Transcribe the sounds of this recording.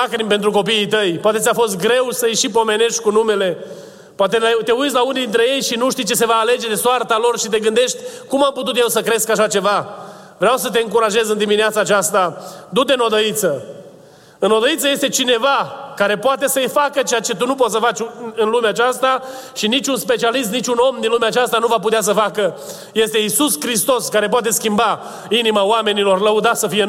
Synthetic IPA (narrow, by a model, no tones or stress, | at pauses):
akɾimpe̞nt̪ɾuko̞piːt̪əjpoat̪e̞t̪ʲafo̞s̬t̪̚ɡɾe̞wsəjeʃip̬o̞me̞ne̞ʃt̪ʲkunume̞le̞ | poat̪e̞lat̪e̞ut̪s̬ʲlaunid̪int̪ɾe̞je̞jʃinuʃt̪ijt͡ʃe̞s̬e̞vaːle̞d͡ʒe̞d̪e̞soart̪alo̞rʃit̪e̞ɡɨnd̪e̞ʃt̪ʲkumamput̪̬ut̪̬jewsəkɾe̞skaʃat͡ʃe̞va | vɾeawsət̪̬eɨŋkuɾaʒe̞zɨnd̪imineat̪saːt͡ʃast̪ad̪ud̪eno̞d̪əit̪sə | ɨnod̪əit̪səje̞st̪e̞t͡ʃine̞vakaɾe̞poat̪e̞səjfakət͡ʃeat͡ʃe̞t̪unup̬o̞t̪səfat͡ʃʲɨnlumeat͡ʃast̪aʃinit͡ʃʲunspe̞t͡ʃialist̪nit͡ʃʲuno̞md̪inlumeat͡ʃast̪anuvap̬ut̪eas̬əfakə | je̞st̪e̞isuskɾist̪o̞skaɾe̞p̬oat̪̬e̞skʲimba | inimaoame̞nilo̞rləud̪asəfije̞